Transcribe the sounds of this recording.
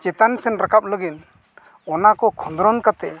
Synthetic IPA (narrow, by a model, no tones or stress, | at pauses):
d͡ʒɛt̪ansɛnɾakʰap̚ləɡin | ɔnakɔkʰɔnd̪ɾɔnkat̪ɛ